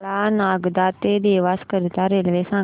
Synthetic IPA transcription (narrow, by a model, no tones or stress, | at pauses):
laːnaːɡd̪aːt̪ed̪eːʋaːskəɾɪt̪aːɾeːlʋesãː